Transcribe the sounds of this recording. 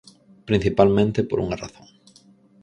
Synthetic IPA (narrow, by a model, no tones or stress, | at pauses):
pɾĩn̟θipalmẽnt̪ɪpo̰ɾʔṵŋara̰θõŋ